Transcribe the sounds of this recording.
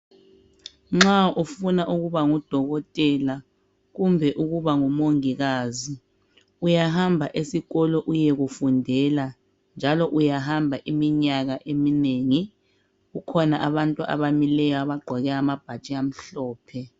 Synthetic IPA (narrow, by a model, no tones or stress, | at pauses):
ŋ͡ǁaufunaʔuɣuβaŋɔd̥ʱɔɣɔtʼɛla | ɣumbʱɛʔuɣuβaŋɔmoŋiɣazi | ujaɦambʱaʔesiɣɔlɔʔujɛɣufundʱɛla | nd͡ʒʱalɔʔujaɦambʱaʔimiɲaɣaʔemineːŋi | ɣukʰɔnaʔaβantʼuʔa̰βamilɛjɔaβaɡ͡ǃʱɔɣɛamab̥ʱat͡ʃʼiam̩ɬɔːpʰɛ